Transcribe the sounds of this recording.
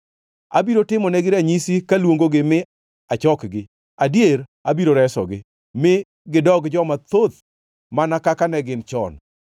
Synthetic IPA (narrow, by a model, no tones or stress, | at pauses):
a̰biɾotɪmɔnɛɡɪɾaɲisikalwoŋɡoɡɪmɪ | at͡ʃɔkɡɪ | adjeɾabiɾoɾɛsɔ̰ɡɪ̰ | mɪ | ɡɪdɔɡd͡ʒɔmat̪ot̪̚ | manakakanɛɡɪnt͡ʃɔ̰n